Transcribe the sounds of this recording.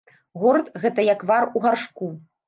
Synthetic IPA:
ɣɔrt̪ɣɛt̪ɐjakvaruɣarʂku

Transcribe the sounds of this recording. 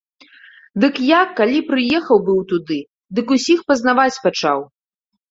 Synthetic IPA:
d̪ɨkjakːalʲipɾɨjɛxɐwbɨwt̪ud̪ɨ | d̪ɨkusʲixpɐznavat͡sʲpat͡ʂa̰w

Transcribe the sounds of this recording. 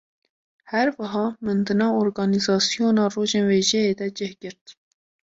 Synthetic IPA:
hɛɾwɑɦɑːmɨnd̪ɨnɑːoːɾɡɑːnizɑːsijoːnɑːroːʒeːnweːʒɛeːd̪ɛd͡ʒɪhɡ̥ɨɾt̪

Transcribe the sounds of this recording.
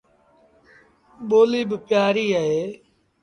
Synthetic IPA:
ɓoːliːbɪpjaːɾiːəɦeː

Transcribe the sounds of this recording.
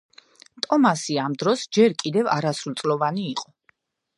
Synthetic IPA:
t̪ʼɔmasiamd̪ɾɔsd͡ʒɛɾkʼid̪ɛvaɾasult̪sʼlɔvaniːqʼɔ

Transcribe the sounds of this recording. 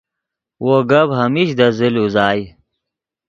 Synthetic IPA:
woɡɐbɦɐmiɕd̪ɐziluzaːj

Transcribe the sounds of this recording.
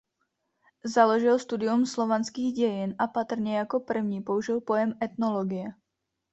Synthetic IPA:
zalo̞ʒɪlst̪udɪumslo̞vanskiːɣɟɛjɪnʔapat̪r̩ɲɛjako̞pr̩vɲiːpo̞uʒɪlpo̞jɛmɛt̪nolo̞ɡɪjɛ

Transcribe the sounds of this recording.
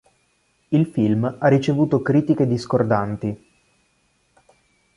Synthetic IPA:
ilfilmarːit͡ʃevuːt̪okɾiːt̪iked̪iskord̪ant̪i

